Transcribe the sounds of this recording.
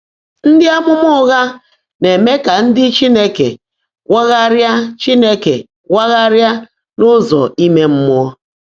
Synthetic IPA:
n̩˦dɪ˦a˦mʊ˦mʊ˦ɣa˦ | ne˨me˦ka˨n̩˦dɪ˦t͡ʃi˦ne˦kḛ˨ | wa˦ɣa˦ɾja˦t͡ʃi˦ne˦kḛ˨ | wa˦ɣa˦ɾja˦ | nʊ˦zɔ̰˨i˦me˦m̩˦mʊ˦ɔ˦

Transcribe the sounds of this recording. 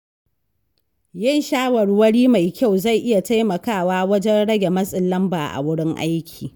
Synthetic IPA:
jɪ˦˨nʃaː˦wɐ˨ɽwɐ˦ɽiː˦ma˨jkʲa˦˨wza˦˨jʔɪ˦ja˨ta˦jmɐ˨kaː˦˨waː˦wɐ˦d͡ʒɛ˦nɽɐ˦ɡʲe˨mɐ˦sʼɪ˨lːɐ˦mbaː˨ʔa̰˨wʊ˦ɽɪ˦ŋʔa̰˦jkʲʰi̥ː˨

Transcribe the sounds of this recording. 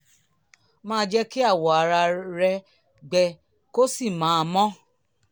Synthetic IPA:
mãː˦˧d͡ʒɛ˦ki˦a˦˨wɔ˨a˨ɾa˧ɾɛ˧ | ɡ͡bɛ˧ | ko˦si˦˨mãː˨˦˧mɔ̃˦

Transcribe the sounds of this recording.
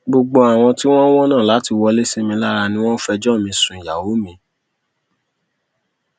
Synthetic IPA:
ɡ͡bo˧ɡ͡bo˧a˨w̃ɔ̃˧ti˦w̃ɔ̃˦w̃ɔ̃˦nã˦˨la˨˦ti˧wɔ˧le˦se˦mĩ˧la˦ɾa˧nĩ˦w̃ɔ̃˦n̩˦fɛ˧d͡ʒɔ˦˨mĩ˧sũ˨ja̰˨wo˨˦mĩ˧˦

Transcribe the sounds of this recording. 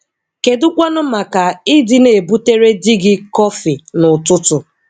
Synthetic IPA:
ke˨dʊ˦kʷa˦nʊ˦ma˨ka˨ɪ˦dɪ˦ne˨bu˦te˦ɾe˦dɪ˦ɡɪ˦kɔ˦fi˨nʊ˨tʊ˦tʊ˨

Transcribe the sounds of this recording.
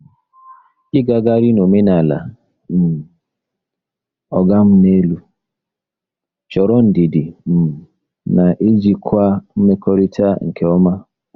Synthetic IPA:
ɪ˦ɡa˨ɡa˦ɾi˦no˨me˦na˨la̰˨ | m̩˨ | ɔ˨ɡa˦m̩˦ne˦lu˦ | t͡ʃɔ˨ɾɔ˦n̩˨di˨di˨m̩˨ | na˨ʔi˦d͡ʒi˦kʰʷa˦m̩˦me˦kɔ˦ɾi˦tʰa˦ŋ̩˨kʰe˨ɔ˦ma˦

